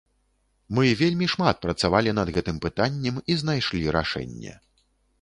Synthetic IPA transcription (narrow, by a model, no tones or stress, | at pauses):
mɨvʲelʲmʲiʂmat̪̚pɾɐt̪savalʲinɐd̪ɣɛt̪ɨmpɨt̪anʲːɛmizn̪ajʂlʲiɾa̰ʂɛ̰nʲːɛ̰